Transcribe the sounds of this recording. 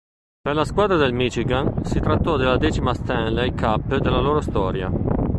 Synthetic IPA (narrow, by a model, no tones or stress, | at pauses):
perlaskwaːd̪ɾad̪elmit͡ʃiɡansit̪ɾat̪ːɔd̪elːad̪ɛːt͡ʃimast̪ɛnlaikʰapːd̪elːaloːɾost̪ɔːɾja̰